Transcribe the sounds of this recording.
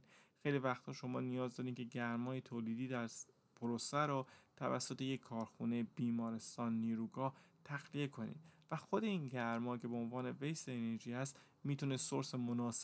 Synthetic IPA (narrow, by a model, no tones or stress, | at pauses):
xejlivæxt̪hɒːʃo̞mɒ̰ːnijɒːzd̪ɒːɾiːmcʲʰe̞ɟæɾmɒːjet̪ʰoːliːd̪iːd̪æɾ | pʰoɾosæɾɔːt̪ʰævæ̰sːo̞t̪e̞je̞kʰːɒːɾxune̞b̥iːmɒːɾe̞st̪ɒːnːiːɾuːɡɒːt̪ʰæɣlie̞kʰo̞nḭːd̪væxo̞d̪e̞inɟæɾmɒːcʰe̞beonvɒːne̞vejseːneɾʒiːhæst̪ | miːt̪ʰunesoɾsemonɒːse